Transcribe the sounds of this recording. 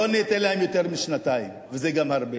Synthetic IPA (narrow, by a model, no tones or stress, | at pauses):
oneːt̪elahemjo̞t̪eʁmiʃnat̪aimvezeɡamhaʁbe